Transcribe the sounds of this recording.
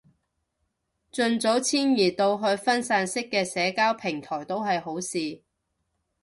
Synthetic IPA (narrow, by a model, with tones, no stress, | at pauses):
t͡ʃɵ˧nt͡so˨˥wt͡sʰiː˥njiː˨˩t̪o˧wɦɵ˧ɥfɐ˥nsaː˧nsɪ˥kːɛː˧sɛː˨˧kaː˥wpʰɪ˨˩ŋt̪ʰɔː˨˩jt̪o˥wɦɐ˨jho˨˥wsiː˨˧